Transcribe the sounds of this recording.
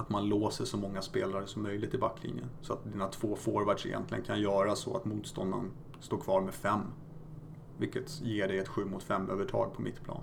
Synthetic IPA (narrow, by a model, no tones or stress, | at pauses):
at̪manloːsəʂɔmɔŋːaspeːlaɾəʂɔmːœjlɪɡ̚t̪ɪbakːlɪ̰njə̰nsɔat̪̚d̪ɪnat̪ʰvoːfoːɾvæɖʂɛ̰jɛ̰nt̪lɪɡənkʰanjœːɾasɔ̰a̰t̪muːt̪st̪ɔnd̪a̰n | st̪oːɾkʰvɑːɾmɛfɛmː | vɪlkːət̪jeːɖɛjɛt̪ɧʉ̟ːmʊt̪fɛmːøːvəʈʰɑ̰ːɡ̚pʰɔmɪt̪ːpʰlɑ̰ːn